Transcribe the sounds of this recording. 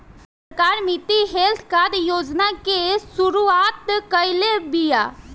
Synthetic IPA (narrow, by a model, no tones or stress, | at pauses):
s | əɾkaːɾmit̪iɦelt̪ʰkad̪joːd͡ʒnakesʊɾuaːt̪kəjlebija